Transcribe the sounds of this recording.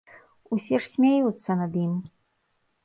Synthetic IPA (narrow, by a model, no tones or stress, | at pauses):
usʲɛʂsʲmʲajut̪sːɐnɐd̪jim